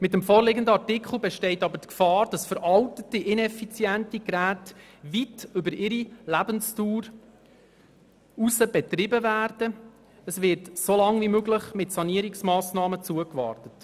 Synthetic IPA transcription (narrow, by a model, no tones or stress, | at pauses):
mɪtəmfoːɾlɪɡəndəɑrtɪkχl̩bɛʃtɛɪtɑbəɾtkfɑːɾd̥ɑsfəɾʔɑltətiʔɪnɛfit͡sjæntiɡɾæːt | ʋitʏbəɾɪɾilæbənstuːɾ | usəbɛtɾɪbəvæːɾd̥ə | əsvɪɾtsolɑŋvimøɡləχmɪtsɑniəɾiksmɑːsnɑːmət͡suəkʋɑ̰ːrtət